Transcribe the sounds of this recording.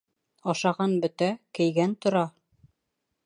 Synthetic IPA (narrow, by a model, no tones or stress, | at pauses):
ɑʃɑʁɑnbɵ̆t̪ækɘ̆jɡænt̪ŏɾɑ